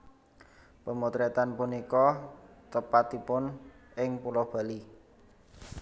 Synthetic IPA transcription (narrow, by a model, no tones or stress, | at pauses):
pəmut̪ɾɛt̪anpunikɔt̪əpat̪ipʊnʔɪŋpulɔhb̥a̤li